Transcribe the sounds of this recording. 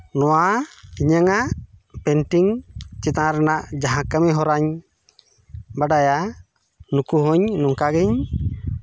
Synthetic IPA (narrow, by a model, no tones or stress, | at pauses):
nɔwaiɲəŋaʔpɛnʈiŋt͡ʃɛt̪ãɾɛnaʔd͡ʒaɦãkəmɛɦɔɾaɲ | baɖaja | nukuɦɔɲnɔŋkaɡiɲ